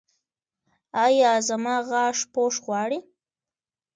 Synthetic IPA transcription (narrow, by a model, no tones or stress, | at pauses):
ɑjɑːzamɑɣɑʂpoʂɣwɑɽi